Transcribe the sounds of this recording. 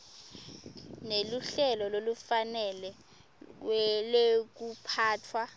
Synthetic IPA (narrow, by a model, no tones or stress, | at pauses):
neluɬɛlɔlolufanɛlɛ | wɛlek̬upʰaːtʰwa